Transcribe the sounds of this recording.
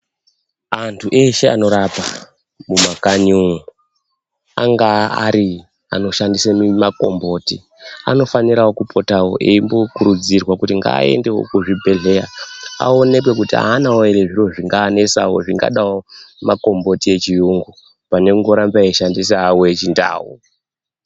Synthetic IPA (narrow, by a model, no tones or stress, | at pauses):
antʰuʔe̞ʃe̞a̰no̞ɾapa | mumakanuŋu | a̰ŋɡaaɾi | a̰no̞ʃandisemimako̞̰mbo̞ːti | a̰no̞faniɾawo̞kupʰo̞tawo̞̰ʔeimbo̞kuɾud͡zirwakutiŋɡa̰ːe̞̰nde̞wo̰kuʐibʱe̞ɮe̞jaa̰o̞ne̞k̬we̞kutia̰ːnawoeɾeʐiro̞ʐiŋɡaːne̞sa̰wo̞̰ʐiŋɡa̰ɗawomako̞mbo̞tie̞t͡ʃijuŋɡu | pane̞kuŋɡo̞ɾambaiʃandis̬aːwoet͡ʃinda̰ːwu